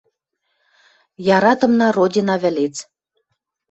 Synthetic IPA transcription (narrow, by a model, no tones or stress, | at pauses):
jɑɾɑt̪ɤ̆mnɑrodʲinɑβɘ̆let͡s